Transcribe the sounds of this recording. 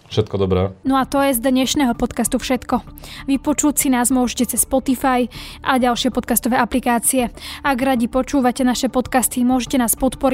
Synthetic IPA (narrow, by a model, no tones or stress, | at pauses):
fʃɛt̪̚kɔd̪ɔbɾɛ̰ːnɔat̪ɔjɛzd̪ɲɛʃnɛɦɔpɔt̪kast̪ufʃɛt̪kɔʋipɔt͡ʃucsinaːzmʊɔʒɛcɛt͡sɛsːpɔt̪ifajʔaɟalʃɪɛpɔt̪kast̪ɔʋɛːaplikaːt͡siɛaɡɾaɟipɔt͡ʃuːʋacɛnaʃɛpɔt̪kast̪imʊɔʒɛcɛnaːspɔt̪pɔɾi